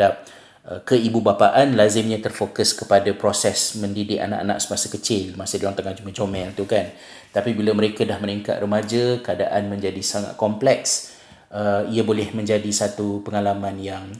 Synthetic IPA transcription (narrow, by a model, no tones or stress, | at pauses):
ap̚ | ʔəkəibubapaʔanlazɪmɲãt̪ərfokəskəpadapɾosɛsmə̃ndidɪʔa̰na̰ʔa̰na̰ʔsəmasakət͡ʃɪlmasɪdlaŋt̪aŋand͡ʒuməd͡ʒomɛlt̪ukan | t̪apibilaməɾekadahməniŋka̰t̪̚rəmad͡ʒakəada̰ʔanmə̃ɲd͡ʒadisaŋa̰t̪̚kɔmplɛks | ʔəiabolɛhmə̃ɲd͡ʒadisat̪upəŋalamãnjaŋ